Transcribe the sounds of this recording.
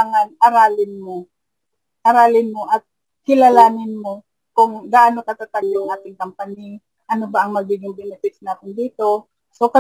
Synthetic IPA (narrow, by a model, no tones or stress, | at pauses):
aŋanʔaɾaːlɪnmo | ʔaɾaːlɪnmoʔɐt̪̚ | kɪlalaːnɪnmo | kʊŋd̪aʔanokɐt̪at̪aɡjʊŋʔaːt̪ɪŋkɐmpani | ʔɐnobaʔɐŋmɐɡiːɡɪŋbɪnɛfɪsnaːt̪ɪnd̪iːt̪o | sokɐ